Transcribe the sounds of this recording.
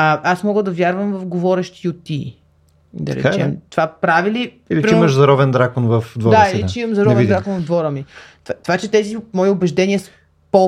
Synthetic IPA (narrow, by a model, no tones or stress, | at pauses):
əasmɔɡəd̪ɐvjaɾvəmvɐfɡovɔɾɛʃt̪iot̪ːi | d̪ɐ̰ɾɛ̰t͡ʃɛ̰mt̪ovapɾavili | ilipɾimɐʃzɐɾɔvɛnd̪ɾakonvəfd̪vɔɾd̪aailit͡ʃɛimɐmzɐɾɔɛɛind̪ɾakonvɐvd̪vɔɾəmit̪at̪ovat͡ʃɛt̪ɛzimɔiʊbɛʒd̪ɛniəs | po